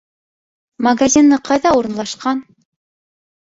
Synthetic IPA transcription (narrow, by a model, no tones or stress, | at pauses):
mɐɡazʲinːɤqɑjðɑuɾɤ̆nlˠɑʃqɑn